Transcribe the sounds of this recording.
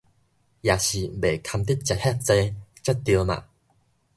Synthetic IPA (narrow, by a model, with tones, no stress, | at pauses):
jaː˨˩ɕi˨˩be˨˩kʰa˧mt̪i˦˥t̚t͡ɕa˧t̚hɛ˥k̚t͡se˧t͡ɕa˦˥t̚t̪ːi˧ma̰˨